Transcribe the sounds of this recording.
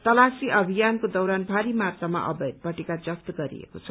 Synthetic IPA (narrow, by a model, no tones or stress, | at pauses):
t̪ʌlasiʔʌbʱijankod̪ʌwɾanbʱaɾimat̪rama̰ʔʌ̰bʌd̪̚pʌʈekad͡zʌkt̪ɡʌɾḭḛkot͡sʰʌ